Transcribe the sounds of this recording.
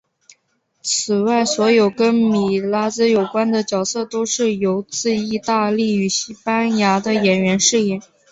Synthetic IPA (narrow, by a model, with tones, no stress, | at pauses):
t͡sʰɹ̩˨˩wa˥˩ɪswɔ˧˥jo˨˩ʊkə˥nmi˨˩la˥t͡sɹ̩˥jo˨˩ʊkwa˥nd̪ə˨t͡ɕjɑ˨˩ʊsɤ˥˩t̪o˥ʊʂɻ̩˥˩jo˧˥ʊt͡sɹ̩˥˧i˥˧t̪a˥˧li˥˩y˨˩ɕi˥pa˥nja˧˥d̪ə˧jɛ˨˩nɥɛ˧˥nʂɻ̩˥˩ɛ˥˩ŋ